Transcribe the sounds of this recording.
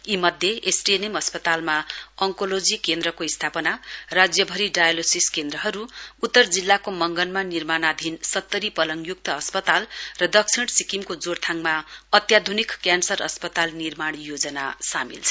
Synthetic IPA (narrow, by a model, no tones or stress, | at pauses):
imʌd̪ʱjeesrijenemʌspʌt̪almaʌŋkolod͡zikend̪ɾʌkoist̪ʰapʌnarad͡zjʌbʱʌɾiɖajalosiskend̪rʌɦʌɾuːt̪ːʌrd͡zilːakomʌŋɡʌnmanirmanad̪ʱinsʌt̪ːʌɾipʌlʌŋjuk̚t̪ʌʌspʌt̪alrʌd̪ʌksʰiɽsikimkod͡zoɽt̪ʰaŋmaʌt̪jad̪ʱunikkjansʌrʌ̰spʌt̪alnirmaɽ̃jod͡zʌnasamḭlt͡sʰʌ